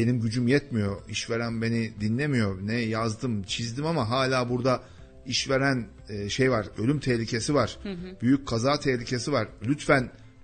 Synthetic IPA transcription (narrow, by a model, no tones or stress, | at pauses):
be̞nimɟyd͡ʒymjɛt̪mijo̞iʃve̞ɾænbe̞nid̪inlʲe̞mijo̞nɛjazd̪ɯmt͡ʃʰizd̪imamaɦaːlʲaːbuɾd̪a | iʃve̞ɾæn | ʃejvaɾø̞lʲymt̪ʰɛhlʲicʰe̞sivaɾ̥b̥yjyc̚kʰazaːt̪ʰɛhlʲicʰe̞sivaɾlʲyt̪fæn